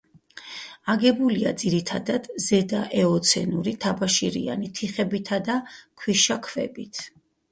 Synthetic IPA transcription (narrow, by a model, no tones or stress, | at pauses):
aɡɛbulia̰d̪z̥iɾit̪ʰad̪ad̪̥zɛd̪aʔɛɔt̪sʰɛ̰nuɾit̪ʰabaʃiɾḭa̰nit̪ʰiχɛbit̪ʰad̪akʰwiʃakʰvɛ̰bit̪ʰ